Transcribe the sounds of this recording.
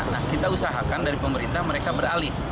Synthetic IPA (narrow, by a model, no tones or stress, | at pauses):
na̰hkit̪ausaɦakandaɾipəməɾint̪ahməɾekabəɾalɪh